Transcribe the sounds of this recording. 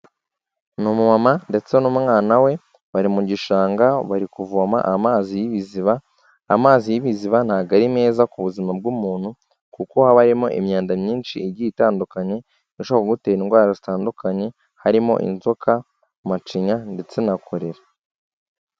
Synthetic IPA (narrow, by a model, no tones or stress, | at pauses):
numumamande̞t͡se̞nummŋaːnawe̞ | βaɾimuɟiʃaːŋɡaβaɾikuvuama̰ʔamaːzijiβiziβaː | maːzijiβiziβan̥haɡaɾime̞ːzakuβuzimab̚ɡumuːn̥hu | kuko̞haβaɾimo̞̰ʔḭmɲaːndamɲiːnʃiːɾɟiːtaːndukaɲe̞ | iʃoβakoɡuteːɾiŋɡwaːɾozitaːndukʰaɲe̞ | haɾimo̞̰ʔḭnzokʰa | mat͡ʃiɲande̞t͡se̞nakʰo̞ɾe̞ɾa